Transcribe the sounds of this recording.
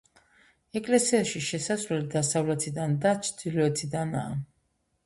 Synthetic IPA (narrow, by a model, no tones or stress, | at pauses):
ɛkʼlɛsiaʃiʃɛsasvlɛlid̪asavlɛt̪ʰid̪and̪at͡ʃʰd̪̥ilɔɛt̪ʰid̪ana̰ː